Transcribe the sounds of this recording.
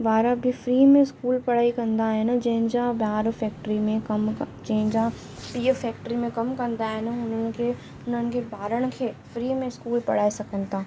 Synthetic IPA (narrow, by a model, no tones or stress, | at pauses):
ʋaːɾabʱɪfɾiːmẽɪskuːlpɐɽ̤aːikɐ̃nd̪aɦɪnɪ̆d͡ʑɐ̃ɦɪ̃nd͡ʑabaːɾfɛːk̚ʈɾimẽkɐmd͡ʑɐɦɪ̃d͡ʑa | piːəfɛːk̚ʈɾimẽkɐmkɐ̃nd̪aɦɪn̆ɦʊnənɪ̆kʰe | ʊn̤ənɪ̆kʰebʱaːɾəɽ̃̆kʰeːfɾiːmẽskuːlpɐ̰ɽ̤aːisɐkʰə̃n̆t̪ʰaː